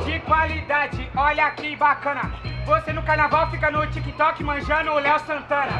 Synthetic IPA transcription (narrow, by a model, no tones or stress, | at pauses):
d͡ʒɪkwalid̪ad͡ʒɪɔʎɐkibakɐ̃nɐvosenʊkaɾnavawfikɐnʊt͡ʃikit̪ɔkɪmɐ̃ʒɐ̃nʊlɛwsɐ̃nt̪ɐ̃nɐ